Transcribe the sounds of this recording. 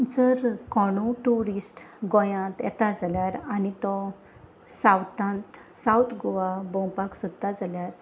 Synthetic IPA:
d͡zəɾkɔɽ̃ũʈuɾisʈ | ɡɔ̃jãt̪jɛ̰t̪ad͡zaljaɾanit̪ɔ | sawt̪ãnt̪ | sawt̪ɡoʋabɔ̃wpaksud̪t̪ad͡zaljaɾ

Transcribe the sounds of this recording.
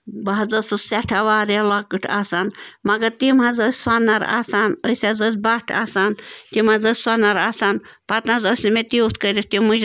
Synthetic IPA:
bɐɦɐd͡zɐsɨsɛʈʰaʋaːɾelakɨʈʰaːsaːnmɐɡɐɾt̪imazəsʲsanːɐɾa̰ːsaːnəsʲazəsʲbaʈʰa̰ːsaːnt̪imazəsʲsanɐɾaːsaːnpɐt̪nazəsʲnimet̪ʲiut̪ʰkəɾit̪imud͡ʒ

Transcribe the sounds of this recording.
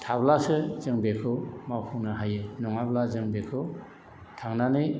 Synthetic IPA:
tʰablasɯzɯŋbekʰɯmawpʰunaɦajɯnɔŋablazɯŋbekʰɯ | tʰaŋnanɯj

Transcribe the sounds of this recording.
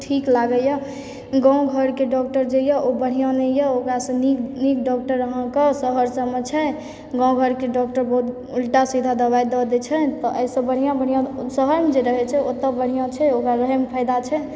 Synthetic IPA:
ʈʰiklaɡəjɔ | ɡãw̃ɡʱəɾkeɖɔk̚ʈəɾd͡ʒejəʔobəɽ̤ijãnɛjəokɾasə̃niknikɖɔk̚ʈəɾːəɦə̃kəsəɦəɾsəmɛt͡ʃʰɛ | ɡãɡʱəɾkeɖɔk̚ʈəɾbəɦut̪ | ulʈasid̪ʱad̪əβajd̪ɔd̪ɛt͡ʃʰɛt̪ɔʔəisə̃bəɽ̤ijãbəɽ̤ijãsəɦəɾmed͡ʒeɾəɦɛt͡ʃʰɛot̪əbəɽ̤ijãt͡ʃʰɛokɾaɾəɦɛmpʰəɪd̪at͡ʃʰɛ

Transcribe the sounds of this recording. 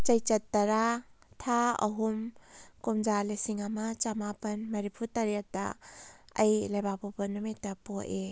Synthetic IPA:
t͡ʃɐjt͡ʃɐtːɐɾa | tʰaɐ̰ɦumkumd͡ʒalesiŋamɐt͡ʃamapɐnmɐɾipʰutɐɾiatɐ̰ | ɐjlajbapɔpɐnːumitːɐpoʔe

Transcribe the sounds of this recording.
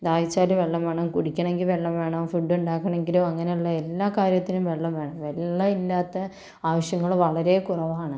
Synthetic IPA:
d̪aːjit͡ɕːaːluʋe̞ɭːɐmʋeːɳɐmkuɽikʲːɐɳeŋɡilʋe̞ɭːɐmʋe̞ːɳɐmfuɖːuɳɖaːkːɐɳe̞ŋɡilumɐŋːɐnejuɭːɐe̞lːaːkaːɾjɐt̪ːilumʋe̞ɭːɐmʋe̞ːɳɐmʋe̞ɭːɐilːaːt̪ːɐ | aːʋɐɕjɐŋːɐɭʋɐɭɐɾe̞kurɐʋaːɳɨ

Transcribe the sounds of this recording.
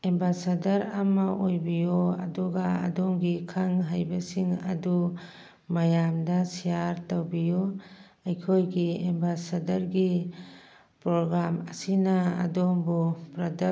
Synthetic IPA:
embasadɐɾɐmɐʔojbijoɐdɔɡa̰ːdɔmɡikʰaŋɦajbɐsiŋɐ̰du | mɐjamdɐsijaɾtɐwbijo | ɐjkʰojɡiembasadɐɾɡi | pɾoɡɾamɐsinaɐ̰dombupɾɐda

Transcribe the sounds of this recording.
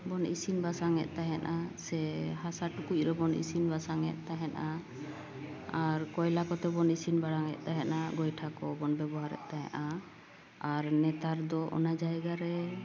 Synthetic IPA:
bɔnʔḭsinbasaŋɛ̰ʔ̪̚ˀt̪aɦɛnʔasɛɦasaʈukuc̚ˀɾɛbɔnʔḭsinbasaŋɛ̰t̪̚ˀt̪aɦɛnʔa | aɾkɔjlakɔt̪ɛbɔnisinbaɽaŋɛ̰ʔ̪̚ˀt̪aɦɛnʔaɡɔjʈʰakɔbɔnbɛbɔɦaɾɛ̰ʔ̪̚ˀt̪aɦɛ̰ʔa | aɾnɛt̪aɾd̪ɔʔɔ̰nad͡ʒajɡaɾɛ

